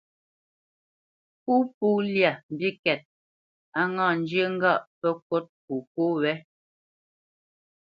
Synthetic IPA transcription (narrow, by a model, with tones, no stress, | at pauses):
pu˦pu˦lja˨m˨bi˦kɛ˨t̚ | a˦ŋã˦˨n˦d͡ʒə˦ŋ̩˦ɡa˦˨ʔpə˦ko˦t̚ku˨po˦wɛ˦